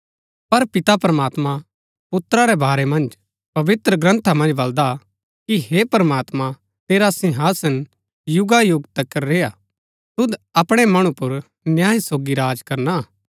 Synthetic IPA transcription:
pɐɾpɪt̪apɾəmaːt̪ma | pʊt̪ɾaɾɛbʱaːɾɛmɐ̃nd͡ʒ | pɐʋɪt̪ɾəɡɾɐ̃nt̪ʰamɐ̃nd͡ʒbɐld̪a | kiɦepɐɾəmaːt̪ma | t̪eːɾasɪ̃ɦaːsən | jʊɡajʊɡt̪ɐkːɐɾːeːja | t̪ʊd̪ɐpɽ̃ɛmɐɽ̃ũpʊɾ | njaːisoːɡiɾaːd͡ʒkɐɾna

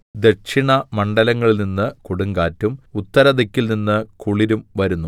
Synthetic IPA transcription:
d̪ekʂiɳɐmɐɳɖɐlɐŋːɐɭininːɨkuɽuŋɡaːtːumut̪ːɐɾɐd̪ekʲːilninːɨkuɭiɾumʋɐɾunːu

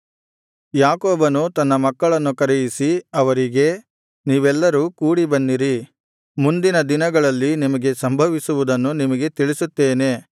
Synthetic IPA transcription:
jaːkoːbɐnut̪ɐnːɐmɐkːɐɭɐnːukɐɾejisiɐʋɐɾiɡe̞ | niːʋɛlːɐɾukuːɽibɐnːiɾi | mund̪inɐd̪inɐɡɐɭɐlːinimɐɡe̞sɐmbʱɐʋisuʋud̪ɐnːunimɐɡe̞t̪iɭisut̪ːeːne̞

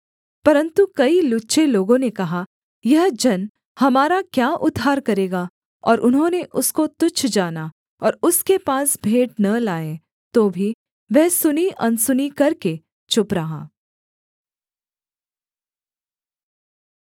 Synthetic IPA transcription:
pɐɾə̃nt̪ukɐilʊtːʃeloːɡõnekɐɦa | jɐɦd͡ʒɐn | hɐmaːɾakjaːʔʊd̪ʱːaːɾkɐɾeːɡa | ɔːɾʔʊnɦõːneʔʊskot̪ʊt͡ʃʰd͡ʒaːna | ɔːɾʊskepaːsbʱeːʈnɐlaːẽ | t̪oːbʱi | ʋɛɦsʊniʔɐnsʊnikɐɾke | t͡ʃʊpɾɐɦa̰ː

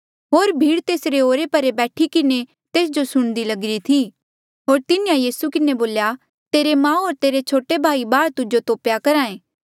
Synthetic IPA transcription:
ɦoːɾbʱiːɽt̪eːsɾeoːɾepɐɾebɛːʈʰikɪne | t̪eːs̬d͡ʒosʊɽ̃d̪ilɐɡɪɾit̪ʰi | ɦoːɾt̪ɪnijãjiːsukɪneboːlja | t̪eːɾemãːɦoːɾt̪eːɾet͡ʃʰoːʈebʱaːibaːɽt̪ʊd͡ʒot̪oːpjakɐɾaːẽː

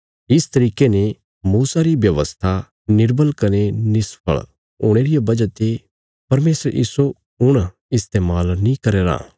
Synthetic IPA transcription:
ɪst̪ɐɾiːkene | muːsaɾibjɐʋəst̪ʰa | nɪɾbəlkɐnenɪspʰə̰ɭ | ɦṵːɽ̃eːɾijabɐd͡ʒat̪e | pɐɾmeːsəɾḭːso | ʊɽ̃ | ɪst̪eːmaːlnĩkɐɾeːɾa̰ː

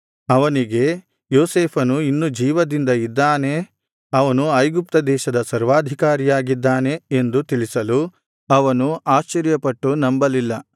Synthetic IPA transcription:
ɐʋɐniɡe̞ | joːseːpʰɐnuinːud͡ʒiːʋɐd̪ind̪ɐid̪ːaːne̞ | ɐʋɐnuɐjɡup̚t̪ɐd̪ɛːʃɐd̪ɐsɐɾʋaːd̪ʱikaːɾijaːɡid̪ːaːne̞end̪ut̪iɭisɐlu | ɐʋɐnuʔaːʃt͡ʃːɐɾjɐpɐʈːunɐmbɐlilːɐ

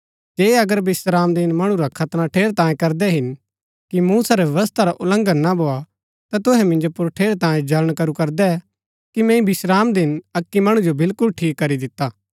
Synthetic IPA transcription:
d͡ʒeːɐɡəɾbɪsɾaːmd̪ɪnmɐɽ̃ũɾakʰɐt̪nãʈʰeːɾt̪ãːjẽkɐɾd̪ɛɦɪn | kimuːsaɾɛʋjɛʋəst̪ʰaɾaʔʊlə̃ŋɡənnabʱoːa | t̪at̪ʊɦɛmɪ̃nd͡ʒopʊɾʈʰeːɾt̪ãːjẽd͡ʒɐləɽ̃kɐɾukɐɾd̪ɛ | kimɛ̃ːĩbɪsɾaːmd̪ɪnɐkːimɐɽ̃ũd͡ʒobɪlkʊlʈʰiːkːɐɾid̪ɪt̪ːaː

